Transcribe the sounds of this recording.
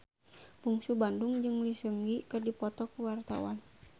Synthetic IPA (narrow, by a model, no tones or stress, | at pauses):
buŋsubanduŋd͡ʒɨŋlisəŋɡikɨrdipɔt̪ɔkuwart̪a̰wa̰n